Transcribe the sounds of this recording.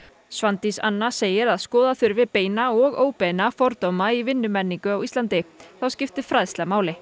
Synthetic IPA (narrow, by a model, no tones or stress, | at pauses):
svant̪isa̰nːaseːjɪɾaðskɔːðaθʏɾvɪpeːjnaɔɣoːwpejnafɔɾt̪owmaivɪnːʏmɛnːiŋkʏawist̪lant̪ɪθawscɪft̪ɪ̥fɾaðst̪lamaːwlɪ